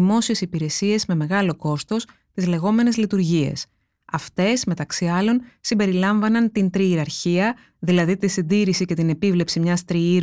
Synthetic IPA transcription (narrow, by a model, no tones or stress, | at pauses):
imo̞sie̞sipiɾe̞sie̞zme̞me̞ɣɐlo̞ko̞st̪o̞s | t̪izle̞ɣo̞me̞ne̞zlit̪uɾʝie̞̰s | ɐft̪e̞sme̞t̪ɐksiɐlo̞nsimbe̞ɾilɐɱvɐnɐnt̪int̪ɾiːɾɐɾçiɐ | ðilɐðit̪isind̪iɾisice̞t̪ine̞pivle̞psimɲɐst̪ɾiiɾ